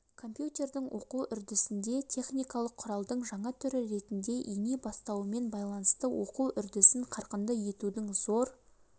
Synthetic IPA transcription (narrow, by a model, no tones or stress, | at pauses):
kʰo̞mpjut̪e̞rd̪ɪŋwʔo̞quʔʏɾd̪ɪsɪnd̪e̞t̪ʲʰe̞χnijkɑlˠəqʰːʊɾɑlˠd̪əɴʒɑɴɑt̪ʰʏɾɪɾe̞t̪ɪnd̪e̞ʔijnebɑst̪ɑwəme̞nbɑjlˠɑnəst̪əwʔo̞quwʔʏɾd̪ɪsɪɴqʰɑɾqənd̪ɑje̞t̪ud̪ɪŋzo̞ɾ